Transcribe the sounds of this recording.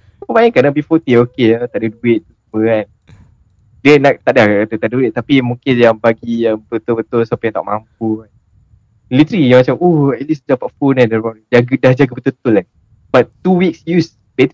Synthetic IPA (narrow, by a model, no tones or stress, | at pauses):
əmaɛŋkanabifɔt̪iokeat̪aʔdaduɪt̪ʔ̚t̪usuməan | dinak̚t̪aʔdahkakat̪ut̪aʔduɪt̪̚t̪apimũŋkɪnjaŋbaɡiəmbət̪ʊbət̪ʊlsapajãŋt̪a̰ʔmʔa̰mp̚uan | lit̪ɾijaŋmat͡ʃamohɛt̪̚lisd͡ʒapat̚funandaɔd͡ʒaɡdahd͡ʒaɡəbət̪ʊt̪ʊla | bat̪t̪ːuwiksjus | be